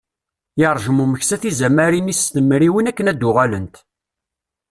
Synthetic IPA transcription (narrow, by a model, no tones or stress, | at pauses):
jɑɾˤʒəmuməçsæθizæmæɾinist̪əmːɾiwənækːənæd̪ːʊʁælənt̪